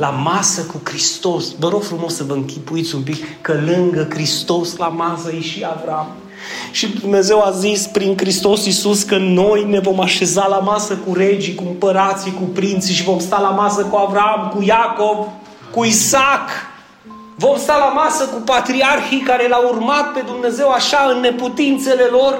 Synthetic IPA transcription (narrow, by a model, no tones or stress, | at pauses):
lamasəkukɾist̪o̞svəɾo̞ɡfɾumo̞səvəɨŋkʲipuit̪sʲumpikːəlɨŋɡəkɾist̪o̞slamasəjeʃiavɾaam | ʃid̪umne̞ze̞wazispɾiŋkɾist̪o̞sisuskəno̞jne̞vo̞maʃe̞zalamasəkuɾe̞d͡ʒikuɨmpəɾat̪sikupɾint̪siʃivo̞mst̪alamasəkuavɾamkujako̞v | kuisak | vo̞mst̪alamasəkupat̪ɾiarxikaɾe̞laurmat̪̚pe̞d̪umne̞ze̞waʃaɨnːe̞put̪int̪se̞le̞lo̞r